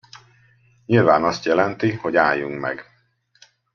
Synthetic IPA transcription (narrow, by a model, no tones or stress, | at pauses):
ɲilvaːnɒst̪jɛlɛnt̪iho̞ɟaːjːuŋkmɛ̰ɡ